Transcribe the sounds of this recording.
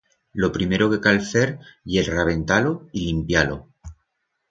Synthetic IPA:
lo̞pɾime̞ɾoke̞kalθeɾjelraβ̞e̞nt̪aloilimpjalo̞̰

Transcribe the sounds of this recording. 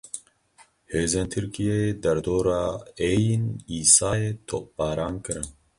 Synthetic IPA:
heːzeːnt̪ʰɨɾkijeed̪ɛɾd̪oːɾaːeːjiniːsaːeːt̪ʰo̰ːp̚bɑːɾɑːnkɨɾɨn

